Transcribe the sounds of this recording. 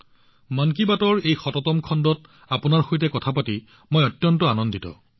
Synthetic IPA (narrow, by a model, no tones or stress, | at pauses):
mankibatɔɹejxɔtɔtɔmkʰɔndɔt | apunaɹxojtɛkɔtʰapati | mojɔtːjɔntɔanɔnditɔ̰